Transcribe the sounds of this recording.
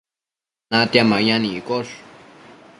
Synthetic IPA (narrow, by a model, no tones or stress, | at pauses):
nat̪jamajanikoʂ